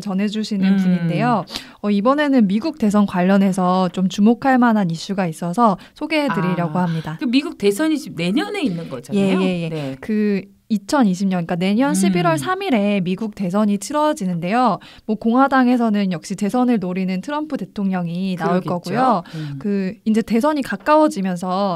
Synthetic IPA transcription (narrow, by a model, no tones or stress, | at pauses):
t͡ɕʌnɦe̞d͡ʑuɕʰinɯnkiminde̞jo | ʌibʌne̞nɯnmiɡuk̚t͈e̞s̬ʰʌnkwaʎːʌne̞sʰʌt͡ɕomt͡ɕumokʰaɭmanɦaniɕ͈uɡais͈ʌsʰʌ | sʰoɡe̞ɦedɯɾiɾaɡohamɲidakɯmiɡuk̚te̞sʰʌɲiɕʰib̚ne̞ɲʌne̞inːɯnɡʌd͡ʑje̞je̞je̞kɯ | it͡ɕʰʌniɕʰimɲʌnk͈ane̞ɲʌnɕʰibiɾwʌɭsʰamiɾe̞miɡuk̚te̞s̬ʰʌɲit͡ɕʰiɾʌd͡ʑinɯnde̞jo | mwʌkoŋɦwadaŋe̞s̬ʰʌnɯnjʌk̚ɕ͈ite̞sʰʌnɯɭnoɾinɯntʰɯɾʌmpʰɯte̞tʰoŋɲʌŋinauɭk͈ʌɡujokɯind͡ʑe̞te̞s̬ʰʌɲikak͈awʌd͡ʑimjʌnsʰʌ